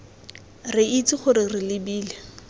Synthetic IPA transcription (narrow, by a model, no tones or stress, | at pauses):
rɪit͡sɪχʊɾɪrɪlɪbiːle